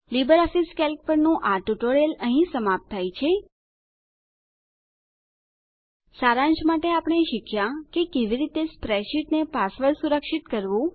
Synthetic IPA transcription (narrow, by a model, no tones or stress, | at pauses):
libəɾɔfiskɛlk̚pəɾnũʔaʈuʈoɽeləɦĩsəmap̚t̪ʰːajt͡ʃʰe | saɾãɲt͡ʃmaʈeapəɳ̃eʃikʰjãkekeʋiɾit̪espɾɛʃiʈnepasʋəɾsuɾəkʃit̪kəɾʋũ